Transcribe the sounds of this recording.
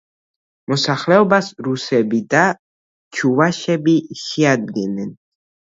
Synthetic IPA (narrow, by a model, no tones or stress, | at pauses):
mɔsaχlɛɔbasɾusɛbid̪a | t͡ʃʰuvaʃɛbiʃɛad̪̚ɡɛnːɛn